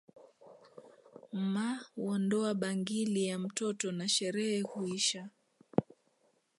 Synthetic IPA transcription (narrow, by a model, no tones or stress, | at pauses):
m̩mauɔndɔaɓaŋɡilijam̩tɔtɔnaʃɛɾɛhɛhuiʃa